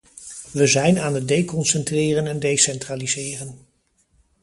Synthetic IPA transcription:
ʋəzɛjnaːnət̚dejkɔnsɛntrɪːrənɛndejsɛntraːlizɪːrən

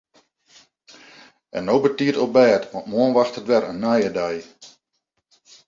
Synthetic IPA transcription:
ʔɛnːowbətiərtobɛːtʋɔ̃ntmoənʋaxtətʋɛrənːajədaj

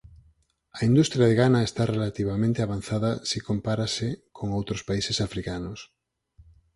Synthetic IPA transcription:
aind̪ust̪ɾjaðeɣanaest̪arelat̪iβ̞amẽnt̪eaβan̟θaðasikompaɾasekʰoŋowt̪ɾospaisesafɾikanos

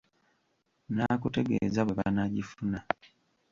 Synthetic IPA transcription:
naːkute̞ɡeːzaβweβa̰naɟifuna

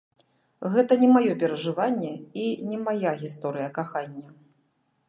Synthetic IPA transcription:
ɣɛt̪ɐnʲɛmajɔpʲɛɾɐʐɨvanʲːɛinʲɛmajaɣʲist̪ɔɾɨjɐkaxanʲːɐ

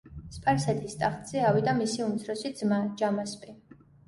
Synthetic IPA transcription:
spʼaɾsɛt̪ʰist̪ʼaχt̪ʼz̥ɛawid̪amisiumt̪sʰɾɔsid̪zmad͡ʒamaspʼi

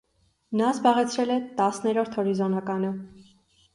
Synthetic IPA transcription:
nɑzbɑʁɛt͡sʰɾɛlɛt̪ɑsnɛɾɔɾt̪ʰhɔɾizɔnɑkɑnə

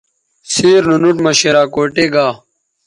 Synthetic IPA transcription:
siːɾnunuʈmɐɕeɾaːkoːʈeːɡaː

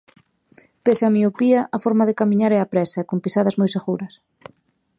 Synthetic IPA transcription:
pesɪamiopiɐʔafɔɾmaðekamiɲaɾɛapɾɛsɐkompisaðɐzmojseɣuɾɐs

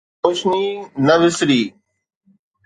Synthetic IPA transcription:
ʊʃniːnəʋɪsɾiː

